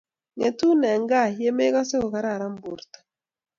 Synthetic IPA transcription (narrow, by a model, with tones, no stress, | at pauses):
ŋe˨tu˦nɛ˨ŋɡa˦˨je˦me˦ka˦se˦o˨ka˨ɾa˦˨ɾa˦m˦bo˨ɾtḁ˨